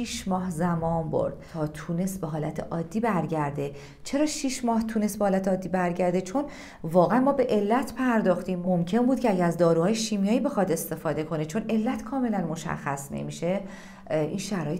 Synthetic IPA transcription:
iʃmɒːhzæmɒːnbo̞̰ɾd̪̥ʰɒːt̪ʰuːne̞st̪̚beɦɒːlæt̪ʰe̞̰ʔɒːd̪ːiːbæɾɟæɾd̪e | t͡ʃʰe̞ɾɒːʃiːʃmɒːht̪ʰuːnest̪̚behɒːlæt̪ʰeɒːd̪ːibæɾɟæɾd̪e̞t͡ʃʰo̞n | vɒːɣeænmɒːbe̞ʔe̞lːæt̪ʰpʰæɾd̪ɒːxt̪iːmmo̞mcʰe̞nbuːd̪̚cʰeæɟææzd̪ɒːɾuːhɒːjeʃiːmijɒːiːbe̞xɒd̪e̞st̪e̞fɒːd̪e̞kʰo̞ne̞t͡ʃʰo̞ne̞lːæt̪kʰɒːme̞lænmo̞ʃæ̰xːæ̰snḛmiʃe̞ | ʔinʃæɾɒːje

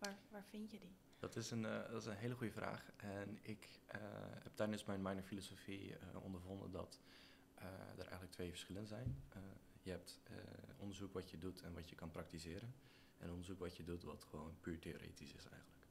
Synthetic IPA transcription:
ʋaːʋaːɹfɪntjədi | d̥ɔtɪsəndɔtɪsənɦeːləχujəvra̰ːχʔɛnɪk | hɛptɛrnəsmɛjnmajnəfilosofiə̰ɔ̰ndəɹvɔndə̰ndɔ̰t | də̰rʔɛ̰jɣən̩tləktʰʋeːvəɹsχɪlənzɛjnjəɦɛp̚tɔndəɹzukʋɑtjədutʰɛnʋɑtjəkɑnprɑktisɪːɾən | ʔɛ̰nɔndəɹzukʋɑtjədutʋɔtχəʋownpyːɹteːo̰ɾḛːtisɪsɛ̰jɣənlək

